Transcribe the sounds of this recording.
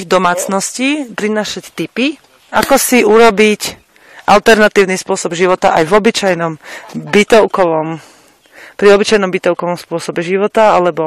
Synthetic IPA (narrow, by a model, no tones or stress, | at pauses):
iɣd̪ɔmaːt͡snɔsciːpɾinaːʃact̪ipi | akɔsiuɾɔbic | ʔa̰lt̪ɛɾnat̪iːʊnispʊɔsɔbʒiʋɔt̪aʔajvɔbit͡ʃajnɔmbit̪ɔʊkɔʋɔm | pɾiɔbit͡ʃajnɔmbit̪ɔʊkɔʋɔmspʊɔsɔbɛʒiʋɔt̪aalɛbɔ